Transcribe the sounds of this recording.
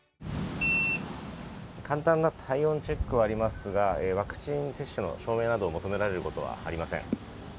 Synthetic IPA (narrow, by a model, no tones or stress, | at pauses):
ekʰãnt̪ãnːat̪ʰaiõ̞ɲt͡ɕe̞kːɯ̟βaːɾʲimasɨɡaeβakɯ̟̥t͡ɕĩɰ̃se̞ɕːɨno̞̰ɕo̞ːme̞ːnad̪o̞ːmo̞t̪o̞me̞ɾaɾe̞ɾɯ̟ko̞t̪o̞βa̰a̰ɾʲimasḛ̃ŋ